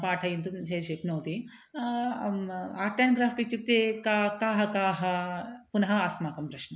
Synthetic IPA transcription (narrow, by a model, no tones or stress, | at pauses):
paːʈʰɐjint̪umt͡ʃɐjɾʃeːp̪noːt̪i | aːɾʈɐnɡɾaːpʰʈik̚t͡ʃuk̚t̪ekakaːɦɐkaːɦɐpunɐɦɐaːsmaːkɐmpɾɐʃnɐ